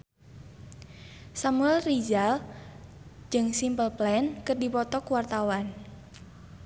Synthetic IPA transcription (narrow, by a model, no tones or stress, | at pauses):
samuɛlrid͡ʒal | d͡ʒɨŋsimpəlplɛnkərdipɔt̪ɔkuwart̪awan